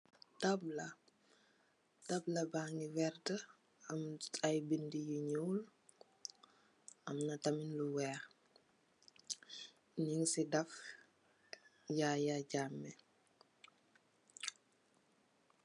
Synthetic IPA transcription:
tɐblɐ | d̥ɐblɐbaːŋiwɛrtə | ɐmtajbindijiɲuːl | ɐmnɐtɐminluwɛːx | ɲiŋsidɐf | jajaɟaːmːɛ

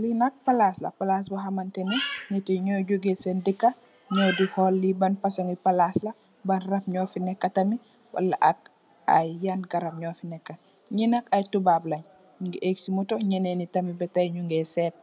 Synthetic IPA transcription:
linɐk̚palaslɐ̰palas̬boɦamantenenitiɲɔɟuɡesendikːa | ɲɔdiholːibanfasoŋipalaslɐ | banrɐpɲɔːfinɛkːɐtɐmi | wa̰lːaʔak̚ | a̰jːanɡaɾamɲɔfinɛkːa | ɲinakajtubablɐɲ | ŋɡiʔeksimutoɲɐnenitɐmibɛtajɲuŋɡesɛːt̚

